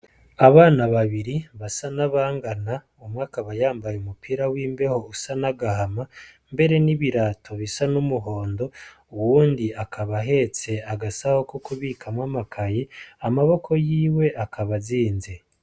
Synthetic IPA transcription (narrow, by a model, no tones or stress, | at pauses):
aβaːnaβaβiɾiβasanaβaːŋɡana | umŋaːkaβajaːmbajeumupʰiːɾawiːmbe̞ho̞usanaɡahama | mbe̞ɾe̞niβiɾatʰo̞βisanumuɦo̞ːndo̞ | uwuːndiakʰaβaɦe̞t͡se̞aɡasaho̞kukuβiːkʰamwamakʰajeamaβo̞kʰo̞jiːwe̞ʔakʰaβaziːnze̞